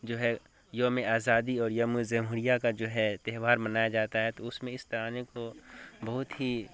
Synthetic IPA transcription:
d͡ʒoːɦɛ | jomẽaːzaːd̪iɔːɾjɐmuzɛːmɦuɾijakad͡ʒoːɦɛt̪eɦʋaːɾmɐnaːjad͡ʒaːt̪aɦɛt̪oʊsmẽɪst̪ɐɾaːnekobɐɦʊt̪ɦi

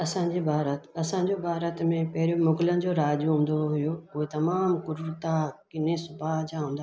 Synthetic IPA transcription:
ɐsãːɲd͡ʑibʱaːɾətt̪ɐsãɲd͡ʑobʱaːɾət̪mẽpɐɦɪɾjomʊɡɪlənɪ̆d͡ʑoːɾaːd͡ʑɦũːn̆d̪oɦʊjoʊɦet̪ɐmaːmkʊɾɾt̪akɪnẽsʊbʱaɦd͡ʑãɦũːnd̪a

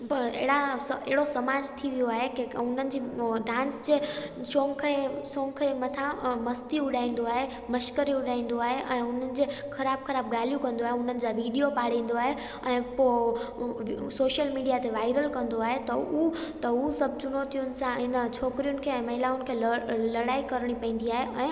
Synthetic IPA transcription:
ɐḛːɽaḛːɦɪɽosɐmaːd͡ʑt̪ʰiʋijoaːɦekeʊn̤ənɪ̆d͡ʑiːɖãːnsd͡ʑeː | sõːŋkʰesõːŋkʰemɐt̪ʰãmɐst̪iʊɗ̤aːĩːn̆d̪oaːɦe | mɐʃkəɾiʊɗaːĩːn̆d̪oaːɦeʔɛ̃ːʊn̤ənɪ̆d͡ʑexʰɐɾaːb̚kʰɐɾaːb̚ɡaːl̤ijũkɐ̃nd̪oaːɦeʊn̤ənɪ̆d͡ʑaʋiːɖijopaːɽ̤ĩːn̆d̪oaːɦe | ɛ̃ːpoː | soːʃəlmiːɖijat̪eʋaːɪɾəlkɐ̃nd̪oaːɦet̪ɐut̪ɐusɐb̚ʱt͡ɕʊnot̪ʰijʊnɪ̆sãɦɪnət͡ɕʰoːkɾijʊnɪ̆kʰeɛ̃ːmɐɦɪlaːʊn̆kʰeːlɐɽaːikɐɾɽ̃ipɐ̃ĩːn̆d̪iaːɦeʔɛ̃ː

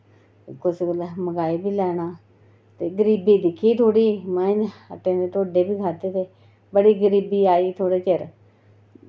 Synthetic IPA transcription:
kʊskəlməɡaːiːbiːlɛːɽ̃aː | t̪eːɡəɾiːbiːd̪ɪkʰːiːt̪ʰoːɽiːmɛ̃əʈːẽːd̪eːt̪oːɖeːbiːkʰaːt̪eːt̪eː | bəɽiːɡəɾiːbiːaːiːt̪ʰoːɽeːt͡ʃəɾ

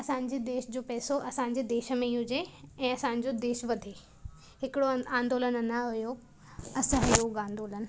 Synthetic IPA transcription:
ɐsãːɲ̆d͡ʑed̪eːʃd͡ʑoːpɛːsoʔɐsãːɲ̆d͡ʑed̪eːʃəmẽiɦud͡ʑeɛ̃ːɐsãːɲ̆d͡ʑod̪eːʃʋɐd̪ʱe | ɦɪkɪɽoãːnd̪oːlənənaɦʊjo | ɐsəɦʊjoɡãːnd̪oːlən̆

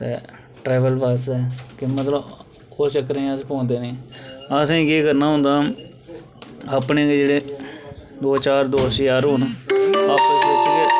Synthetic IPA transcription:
t̪ḛː | ʈɾɛːʋəlpaːsɛːkɪmət̪ləb | oːt͡ʃəkəɾẽːəspɔ̃ːnd̪eːnẽːəsẽkiːkəɾnaːɦʊ̃nd̪aː | aːpneːkd͡ʒeːɽeː | ʋət͡ʃaːɾd̪oːsjaːɾuːnaːpːsɪt͡ʃe

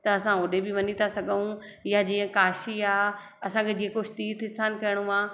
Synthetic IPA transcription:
t̪ɐɐsãʊːɗebɪʋɐnit̪ʰasɐɡʱəũ | jad͡ʑĩːə̃kaːʃiaː | ɐsãkʰed͡ʑeːkoʃt̪iːt̪ʰɪsʰaːnkɐjɽ̃ũaː

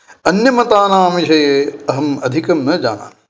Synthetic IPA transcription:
ɐnjɐmɐt̪aːnaːmiʃɐːɐɦɐmɐd̪ʱikɐmnɐd͡ʒaːna̰ː

